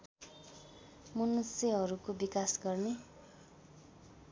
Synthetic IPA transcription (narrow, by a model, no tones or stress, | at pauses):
munuseɦʌɾukobikasɡʌrne